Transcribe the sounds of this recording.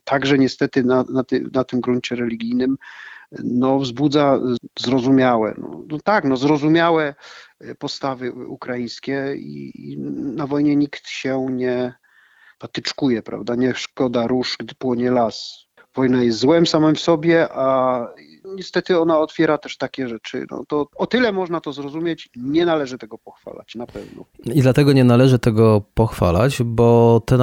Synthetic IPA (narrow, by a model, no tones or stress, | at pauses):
t̪ʰaɡʐɛɲɛst̪ɛt̪ɘnanat̪nat̪ɘmɡɾuɲt͡ɕɛɾɛlʲiɡʲijnɘm | nɔvzbud̪zazɾɔzumʲjawɛ̰nɔ̰nɔt̪aknɔzɾɔzumʲjawɛpɔst̪avɘukɾajĩj̃skʲɛḭ | navɔjɲɛɲikt̪ɕɛɲɛ | pat̪ɘt͡ʂkujɛpɾa̰vd̪aɲɛʂkɔd̪aɾuʂɡd̪ɘpwɔɲɛlas | vɔjnajɛst̪zwɛmsamɛmfsɔbʲjɛʔa | ɲɛst̪ɛt̪ɘɔnaɔt̪fʲjɛɾat̪ɛʂt̪akʲɛʐɛt͡ʂɘ̰nɔ̰t̪ɔɔt̪ɘlɛmɔʐnat̪ɔzɾɔzumʲjet͡ɕɲɛnalɛʐɘt̪ɛɡɔpɔxfa̰la̰t͡ɕnapɛvnɔ̰id̪lat̪ɛɡɔɲɛnalɛʐɘt̪ɛɡɔpɔxfa̰la̰t͡ɕbɔt̪ɛ